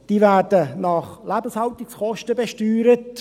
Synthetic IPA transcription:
d̥iːvæːɾdənɑχlæbəshɑltɪksχɔʃtəbɛʃtyːɾət

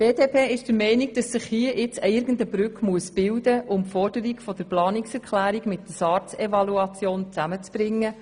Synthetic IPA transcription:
b̥eːdeːpʰeːɪʃd̥əɾmɛɪniɡ̚d̥ɑsːɪχhiəʔɪt͡səɪɾɡəndəbɾʏkmuəsb̥ɪldəʔʊmfɔrd̥əɾikfɔd̥əɾplɑːniksɛɾkʰlæːɾiɡmɪtdəsɑːrt͡sɛvɑluɑt͡sjoːnt͡sæmət͡sb̥ɾɪŋːə

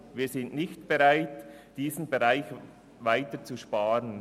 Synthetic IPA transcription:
viːzɪnʔnɪçtb̥eʁaɪt | d̥iːzn̩beʁaɪç | vaɪtət͡suʃpaːɾən

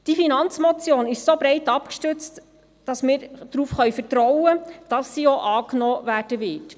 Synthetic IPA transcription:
d̥ifinɑnt͡smɔt͡sjoːnɪʃsobɾɛɪtɑpkʃtʉt͡st | d̥ɑsmɪːɾd̥ɾuːfχœjfəɾtɾɔwəd̥ɑsːioʔɑːknɔːvæːɾd̥əʋɪt

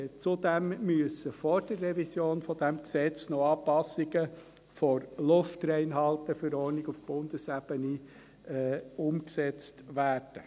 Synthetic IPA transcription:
t͡sudɛmmyəsəfɔrd̥ərːɛvisjoːnfɔd̪ɛmksɛt͡snoɑːpɑsːɪɡə | fɔɾlʊftrɛɪnɦɑltəfʏɾɔɾnɪɡufb̥ʊnd̥̪əsæb̥əni | ʊmksɛt͡stʋæːrd̥ə

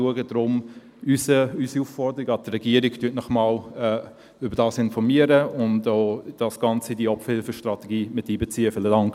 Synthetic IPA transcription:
uəɡədɾʊm | ysəysiuːfːɔɾdəɾiɡɑt̪rɛɡ̥iəɾɪɡtyːtnɔχmɑːlɛ | ʏbəɾdɑːsɪnfɔɾmiəɾəʊntoːd̥ɑsɡ̥ɑnt͡sidiəɔpfəhɪlfəʃtrɑtɛɡiːmɪtːiːbet͡siːəfɪlədɑŋk

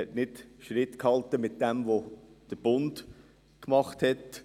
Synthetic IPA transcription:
ɛtnɪtʃɾɪtkhɑltəmɪt̚d̥ɛmvod̥əb̥ʊnd | kmɑχthɛt

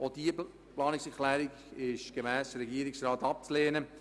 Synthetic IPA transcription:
ʔod̥iə | plɑːnɪksɛɾklɛːɾiɡ | ɪʃɡ̥emɛːsəɾɛɡiːəɾɪksɾɑːtɑp̚t͡sleːnə

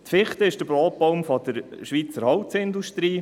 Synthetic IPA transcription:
t̪fɪχt̪əɪʃd̥əbɾoːt̚pɔwmfɔd̥̪əɾʃʋiːt͡səɾhɔwtsɪnd̪uʃt̪ɾiː

